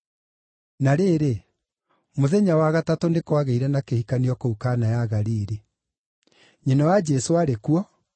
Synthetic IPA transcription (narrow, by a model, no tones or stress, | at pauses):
naɾeːɾe | moðɛɲawaɣatatonekwaɣeiɾɛnakehikaniɔkoukanajaɣaɾiːɾi | ɲenɔwad͡ʒɛsoaɾekuɔ